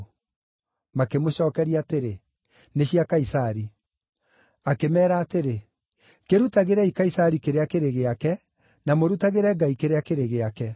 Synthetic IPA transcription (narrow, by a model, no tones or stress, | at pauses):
makemoɕɔːkɛɾiaːteɾe | neɕiakaisaɾi | akemɛːɾaːteɾe | keɾutaɣeɾɛikaisaɾikeɾeakeɾeɣeakɛ | namoɾutaɣeɾɛɡaikeɾeakeɾeɣeakɛ